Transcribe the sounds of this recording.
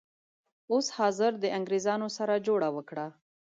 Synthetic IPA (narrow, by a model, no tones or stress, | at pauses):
oshɑzɪɾd̪əʔaŋɡɾezɑnosaɾad͡ʒoɽawəkɽa